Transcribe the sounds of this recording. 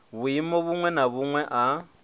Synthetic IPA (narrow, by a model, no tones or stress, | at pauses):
βuimɔβuŋwɛnaβuŋwɛʔa